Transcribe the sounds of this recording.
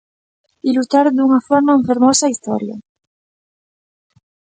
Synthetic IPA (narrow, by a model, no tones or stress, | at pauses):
ilut̪aɾd̪uŋafoɾnauɱfeɾmosaist̪o̰ɾja̰